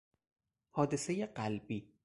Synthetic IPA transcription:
hɒːd̪e̞sejeɢælbiː

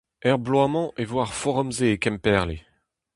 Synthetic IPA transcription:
ɛʁblwamɑ̃ʔevwaʁfɔʁɔmzeːkɛmpɛʁle

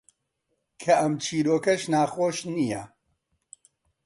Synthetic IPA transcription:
kʰɐʔɐmt͡ʃʰiːɾoːkɐʃnaːxoːʃnijɐ

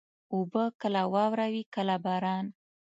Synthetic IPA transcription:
obəkəlawɑwɾawikəlabɑɾɑn

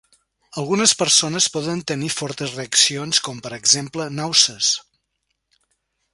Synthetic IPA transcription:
əlˠɣunəspəɾsonəspɔðənt̪ənifɔɾt̪əzreəksionskɔmpəɾəɡzemplənawsəs

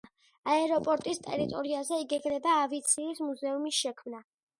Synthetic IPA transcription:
aɛɾɔpʼɔɾt̪ʼist̪ʼɛ̰ɾit̪ʼɔɾiazɛiɡɛɡnɛbaːvit̪sʰiːsmuzɛumisʃɛkʰmna

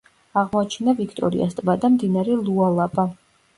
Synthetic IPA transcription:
aʁmɔat͡ʃʰɛnavikʰt̪ʼɔ̰ɾḭa̰st̪ʼbad̪amd̪inaɾɛlˠualˠabʼa

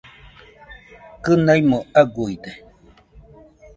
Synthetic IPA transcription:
kɨnajmoaɡuid̪e

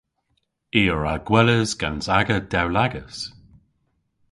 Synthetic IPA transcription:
iːəɹaɡ̥wɛləzɡansaɡəd̥ɛwlaɡəs

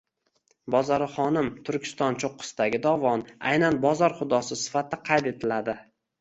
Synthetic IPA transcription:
bɒzɒɾɪχɒnɪmt̪ʰʊɾkʲɪ̥st̪ɒnt͡ʃʰoqːɨ̥sd̪aɡʲɪd̪ɒvɒna̰jnanbɒzɒɾχʊd̪ɒsɪsɪ̥fat̪̚ːaqʰɑjt̪e̞t̪ʰɪlad̪ɪ

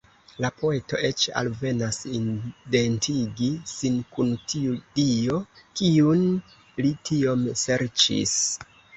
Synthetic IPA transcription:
lapo̞e̞to̞̰ʔe̞t͡ʃa̰lve̞nasindentʰiɡisinkuntʰiudio̞kiun | litʰio̞mse̞ɾt͡ʃḭs

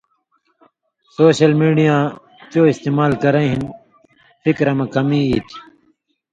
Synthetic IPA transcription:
soːɕɐlmiːɖijãː | t͡ɕoːist̪eːmaːlkɐɾẽɦin | fikɾɐmẽkɐmiːiːt̪ʰi

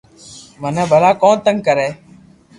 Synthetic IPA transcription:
mənɛ̃ːbʱəlaːkõːt̪əŋɡ̚kəɾeː

